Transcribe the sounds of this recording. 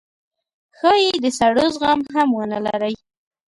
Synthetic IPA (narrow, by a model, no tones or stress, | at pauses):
xɑjed̪əsaɽozɣɑmɦamwənala̰ɾaj